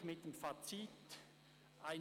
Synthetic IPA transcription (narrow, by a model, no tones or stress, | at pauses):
mɪt̚d̥emfat͡sit | aɪ